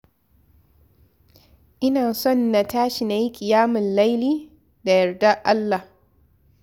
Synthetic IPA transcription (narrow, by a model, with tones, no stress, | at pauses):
ʔɪ˦naː˨sɔ˦˨nːa˨taː˦ʃi˨na˨ji˦kʲʼɪ˨jaː˦mɪ˨nla˦jliː˦ | da˨jɐ˨rda˦ʔa˦lːa˨h